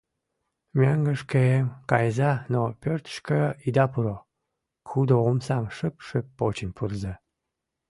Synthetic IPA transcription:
mʲæŋɡə̆ʃkeemkɑjzɑnopʲørt̪ə̥ʃkəid̪ɑpuɾo | xud̪oomsɑmʃəpʃəpːot͡ɕənpʰurze

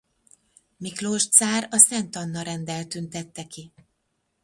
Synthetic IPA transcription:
mikloːʃt̪saːɾɒsɛnt̪ɒnːɒɾɛnd̪ɛlt̪ynt̪ɛt̪ːɛki

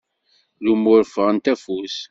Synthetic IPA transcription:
lumʊɾfəʁənt̪æfus

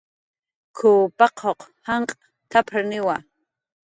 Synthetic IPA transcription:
kʰupɑqʰoqhaɴqʼ | t̪ʰapʰɾanɪwa

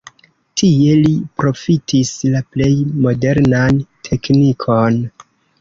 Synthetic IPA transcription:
tʰie̞lipɾo̞fitʰislaple̞jmo̞de̞ɾnantʰe̞knikʰo̞n

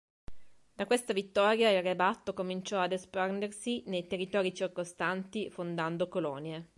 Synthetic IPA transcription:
d̪̥akwest̪avit̪ːɔːɾjailrːebat̪ːokomint͡ʃɔad̪esparnd̪ersinejt̪erːit̪ɔːɾit͡ʃirkost̪ant̪ifond̪and̪okolɔːnje

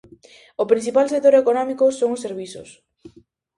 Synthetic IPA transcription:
opɾĩnθipalsekt̪oɾekonɔmikʊsoŋʊsːeɾβisʊ̰s

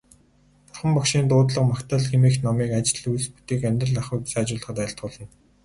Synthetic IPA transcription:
pʊrχə̆mpɔkʃiːnt̪ʊːt̪ɮə̆qmakt̪ʰaːɮɡemeːxnɔmiːkat͡ɕɪ̆ɮujsput̪eːkamʲt̪rə̆ɮaχu̥ːsːt͡ɕʊːɮə̆χə̆t̪aɪ̆ɬt̪̚ɢʊ̆ːɮɪ̆n

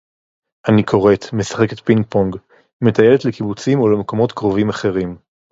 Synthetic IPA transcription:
ʔanikʰo̞ʁe̞t̪me̞sḁχe̞ket̪pinpoŋɡ | me̞t̪ajeletlekibut͡simo̞lemeko̞mo̞t̪kʁovimaχe̞ʁim

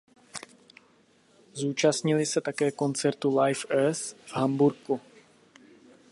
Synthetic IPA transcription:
zuːt͡ʃast̪ɲɪlɪsɛt̪akɛːko̞nt͡sɛɾt̪ulajfɛsv̥ɦambuɾku

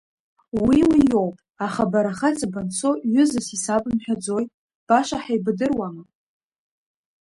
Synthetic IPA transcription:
wiwijo̞wpʼ | aχabaɾaχat͡sʼabant͡sʰoɥʏzɨsisapʼɨmħᶣad͡zo̞jtʼ | b̥aʃaħaijbdɨrwamɨ

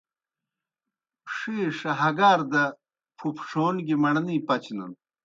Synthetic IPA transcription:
ʂiʂɐɦɐɡaːɾd̪ɐ | pʰupʰʂoːnɡimɐɳɐnipɐt͡ɕnɐ̰n

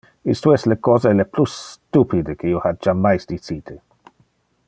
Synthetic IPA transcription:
ist̪oɛstlekɔːzeleplust̪upid̪ekʰeiːohad͡ʒamːajsd̪it͡siːt̪ʰe

